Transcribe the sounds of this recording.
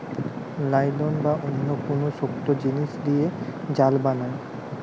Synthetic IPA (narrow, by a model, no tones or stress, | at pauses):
lajlonbaʔonːokonoʃok̚t̪od͡ʑiniʃd̪ied͡ʑalbanae